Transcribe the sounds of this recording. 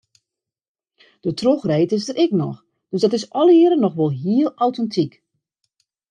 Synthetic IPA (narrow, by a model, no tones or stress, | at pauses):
d̥ətroxreːtɪsdərɛknɔ̰x | d̥øzdɔtɪsɔlˠiəɾənɔxʋɔlˠɦiəlˠawtɛntʰik